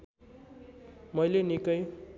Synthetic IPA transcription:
mʌjlenikʌj

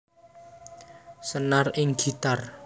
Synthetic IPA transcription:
sənarɪŋɡ̥i̤t̪ar

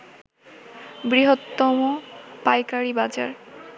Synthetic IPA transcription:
bɾiɦot̪ːomopajkaɾibad͡ʑa̰ɾ

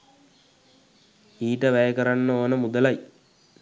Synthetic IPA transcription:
iːʈəʋæjəkəɾanːəoːnəmud̪əlaj

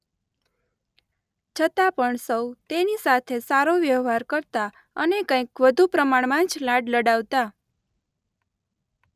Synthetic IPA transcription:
t͡ʃʰət̪apəɳsəwt̪enisat̪ʰesaɾoʋjəʋɦaɾkəɾt̪a | ənekə̃ĩkʋəd̪ʱupɾəmaɳmãt͡ʃlaɖləɽaʋt̪a

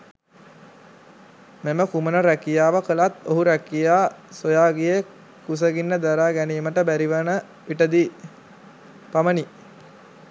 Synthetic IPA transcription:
meməkumənəɾækijaːʋəkəlat̪oɦuɾækijaːsojaːɡije | kus̬əɡinːəd̪aɾaːɡæniːməʈəbæɾiʋənə | ʋiʈəd̪iː | paməni

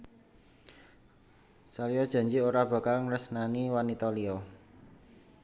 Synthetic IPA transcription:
saliɔd̥ʒ̥a̤ɲd͡ʒioɾab̥ä̤kalŋrəsnaniwanit̪ɔliɔ

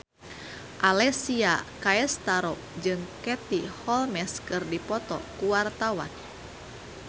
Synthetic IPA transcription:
ʔalɛsiakaɛst̪aɾɔ | d͡ʒɨŋkɛt̪ihɔlmɛskɨrdipɔt̪ɔkuwart̪awa̰n

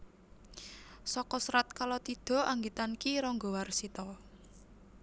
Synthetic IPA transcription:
sɔkɔsɾat̪̚kalot̪id̪̥ɔ̤ʔaŋɡit̪ankiɾɔŋɡɔwarsit̪ɔ

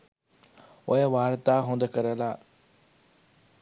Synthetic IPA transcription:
oɦeʋaːɾt̪aɦõːnd̪kəɾəlaː

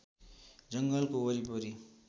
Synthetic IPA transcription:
d͡zʌŋɡʌlkoʌɾipʌɾi

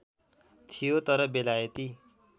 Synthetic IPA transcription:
t̪ʰijot̪ʌɾʌbelajʌt̪i

